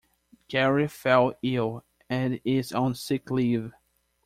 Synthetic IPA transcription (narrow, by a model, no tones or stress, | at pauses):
ɡ̥ʰɛɹifɛlˠɪlˠ | ɨ̃nɪzə̃n̩sɪkliv̥